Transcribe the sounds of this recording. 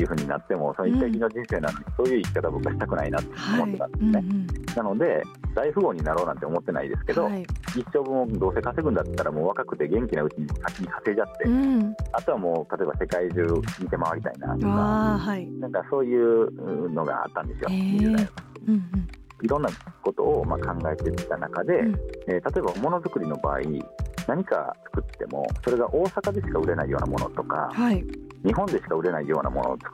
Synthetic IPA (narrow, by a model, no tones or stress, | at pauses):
t̪eiɯ̟ɸɯ̟ːɲ̟ina̰t̪ːe̞mo̞sonoit̪ːaiɡʲino̞d͡ʑĩɰ̃se̞ːna̰noɲʲiso̞ːjɯ̟ikʲi̥kat̪abokːaɕit̪akɯ̟na̰inat̪ːeomot̪ːot̪ã̰nd̪eesɨne̞nano̞d̪e̞d̪aiɸɯ̟ɡo̞ːɲ̟inaɾo̞ːnãnt̪e̞o̞mo̞t̪ːe̞na̰ḭd̪e̞sɨ̥ke̞d̪o̞iɕo̞ːbɯ̃od̪o̞ːse̞kase̞ɡɯ̟̃nd̪at̪ːaɾamo̞ːβ̞akakɯ̟t̪e̞ɡẽ̞ŋkʲinaɯ̟t͡ɕiɲ̟imosakʲːiɲ̟isase̞ːd͡ʑat̪ːe̞at̪o̞βamo̞ːt̪ʰat̪o̞ebase̞kaiʑɨːɲit̪e̞maβaɾʲit̪a̰ina̰t̪ohainãŋkaso̞ːjɯ̟ːɯno̞ɡa̰a̰t̪ːãnd̪e̞sɨjoiasa | iɾõ̞nːako̞t̪o̞̰ːmakʰãŋɡae̞t̪e̞t̪anakad̪e̞eːt̪at̪o̞e̞bamo̞no̞zɨkɯ̟ɾʲino̞ba̰ːḭnaɲ̟ika̰t͡sɨ̥kɯ̟t̪ːe̞mo̞̰so̞ɾe̞ɡaʔo̞ːsakad̪e̞ɕi̥kaɯ̟ɾe̞naijo̞ːnamo̞no̞̰t̪o̞ka̰ha | ɲ̟iɦõ̞nd̪e̞ɕi̥kaɯ̟ɾe̞naijo̞ːna̰mo̞no̰ːt͡sɨ̥kɯ